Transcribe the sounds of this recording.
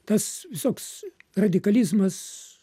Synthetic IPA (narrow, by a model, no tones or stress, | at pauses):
t̪ɐsʋʲɪsoːksrɐd̪ʲɪkɐlʲizmɐs